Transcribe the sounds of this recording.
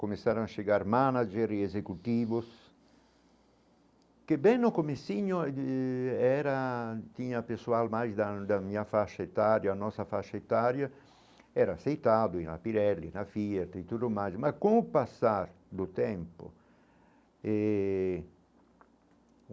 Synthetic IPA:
komesaɾoŋaʃeɡaɾmanad͡ʒeɾiezekut̪ivʊs | kebɛnːʊkomesiɲʊ | ɛɾat̪iɲapesualmajsd̪ad̪amiafaʃaet̪aɾjaːnɔsafaʃaet̪aɾja | ɛɾaːsejt̪ad̪ʊĩnla̰piɾɛlːinafiɛɾt̪it̪ud̪ʊmajsmakõpasaɾ | d̪ʊt̪ɛmpʊ̰ | ɛ

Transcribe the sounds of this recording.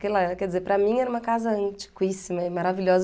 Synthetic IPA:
kelakɛɾd͡ʒɪzepɾɐmĩɛɾɐũmɐkazɐɐ̃nt͡ʃi̥ɡwisimɐɪmaɾavilʲɔzɐ

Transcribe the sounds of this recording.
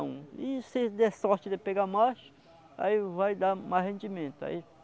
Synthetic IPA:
ɪsɪd̪ɛsɔɾt͡ʃɪd̪eɪpeɡamaʃ | a̰ivajd̪amazɦẽnd͡ʒimẽnt̪ʊa̰i

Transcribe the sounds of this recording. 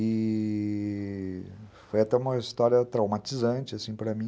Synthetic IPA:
ɪ | fojat̪ɛũmɐist̪ɔɾjɐt̪ɾawmat͡ʃizɐ̃t͡ʃɪasĩpɾɐmĩ

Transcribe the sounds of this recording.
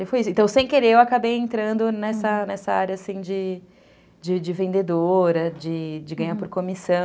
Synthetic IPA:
ɪfojisʊẽt̪ɐ̃w̃sẽj̃keɾeewakabejẽnt̪ɾɐ̃nd̪ʊnɛsɐnɛsɐaɾjɐasĩd͡ʒɪ | d͡ʒɪd͡ʒɪvẽnd̪ed̪oɾɐd͡ʒɪd͡ʒɪɡɐ̃ɲ̃aɾpoɾkomisɐ̃

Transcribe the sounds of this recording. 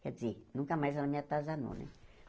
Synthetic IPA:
kɛd͡zinũŋkamajzsanamĩat̪azanṵ̃nḛ̃

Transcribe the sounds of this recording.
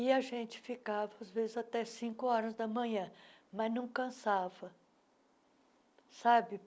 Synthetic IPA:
ɪaʒẽnt͡ʃɪ̥fikavɐazvezɪzat̪ɛsĩkʊɔɾɐzd̪ɐmɐ̃ɲɐ̃ | mɐznɐ̃w̃kɐ̃savɐ | sabɪ

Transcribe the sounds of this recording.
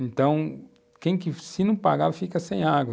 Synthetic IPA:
ẽnt̪ɐ̃w̃ | kẽj̃kɪsɪnɐ̃w̃paɣaɾfikɐsẽj̃aɡwɐ

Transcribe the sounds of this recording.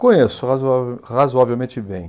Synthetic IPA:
kõɲesʊhazavhazoavewmẽt͡ʃɪbḛ̃j̃

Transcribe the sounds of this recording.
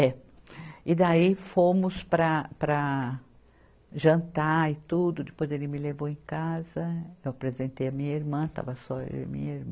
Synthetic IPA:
ɛ | ɪd̪aifõmʊspɾɐpɾɐ | ʒɐ̃nt̪aɪt̪ud̪ʊd̪ɪpojzelɪmɪlevowẽkazɐewapɾezẽnt̪ejɐmĩɲɐiɾmɐ̃t̪a̰vɐsɔ̰mḭ̃ɲɐiɾm̃

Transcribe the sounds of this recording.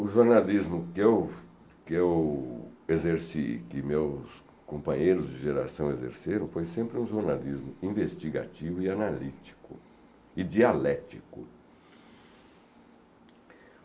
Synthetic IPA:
ʊʒoɾnalizmʊkɪew | kɪew | ezeɾsḭkɪmews | kõpɐ̃ɲejɾʊzd͡ʒɪʒeɾa̰sɐ̃w̃ezḛɾseɾɐ̃w̃fojsẽmpɾɪũʒoɾnalizmʊĩvest͡ʃiɡa̰t͡ʃivʊɪanalit͡ʃi̥kʊ̰ | ɪd͡ʒialɛt͡ʃikʊ̰

